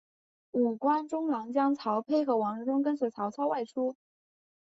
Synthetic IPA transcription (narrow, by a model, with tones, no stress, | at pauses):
u˨˩kwa˥nʈ͡ʂʊ˥ŋlɑ˧˥ŋt͡ɕjɑ˥ŋt͡sʰɑ˧˥ʊpʰe˥ɪxɤ˧˥wɑ˧˥ŋ˧˥ʈ͡ʂʊ˥ŋk̬ə˥nsɛ˧˩t͡sʰɑ˧˥ʊt͡sʰɑ˥ʊwa˥˩ɪʈ͡ʂʰu˥